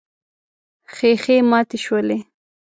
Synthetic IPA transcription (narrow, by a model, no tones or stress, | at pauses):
xexemɑːt̪eʃwəle